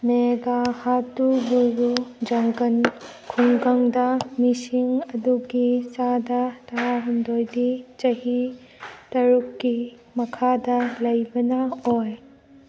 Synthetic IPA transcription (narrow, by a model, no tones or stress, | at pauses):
meɡahatubujɾud͡ʒɐŋɡɐn | kʰuŋɡaŋdɐmisiŋɐduɡisadɐtɐɾaɦundojdit͡ʃɐɦi | tɐɾukːi | mɐkʰadɐlɐjbɐnɐoj